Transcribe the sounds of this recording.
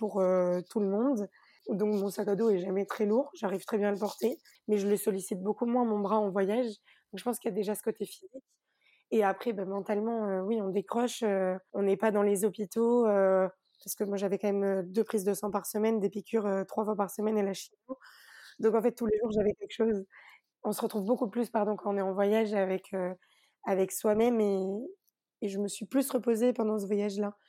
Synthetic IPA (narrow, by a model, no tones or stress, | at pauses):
puʁøt̪uləmɔ̃d̪ | d̪ɔ̃kmɔ̃sakad̪oɛʒamɛt̪χɛluʁʒaʁiv̥t̪χɛbjɛ̃aləpɔʁt̪e | mɛʒələsɔlisit̪̚bokumwɛ̃mɔ̃bʁaɑ̃vwajaʒ | d̪̥ɔ̃kʒəpɑ̃skʲilad̪eʒasə̥kot̪efizikʲ | eapχɛbamɑ̃t̪almɑ̃øwiɔ̃d̪ekχɔʃøɔ̃nɛpad̪ɑ̃lezɔpit̪oø | paʁsə̥kəmwaʒavɛkɑ̃mɛmød̪øpχizd̪əsɑ̃paʁsəmɛnd̪epikʲʰyʁøt̪χwafwapaʁsəmɛnelaʃiod̪ɔ̃kɑ̃fɛt̪̚ːuleʒuʁʒavɛkʲɛlkə̥ʃoz | ɔ̃səʁət̪χuvbokuplyspaʁd̪ɔ̃kɑ̃ɔ̃nɛɑ̃vwajaʒavɛkʰø | avɛkswamɛmeː | ʒəməsɥiplysʁəpozepɑ̃d̪ɑ̃s̬əvwajaʒla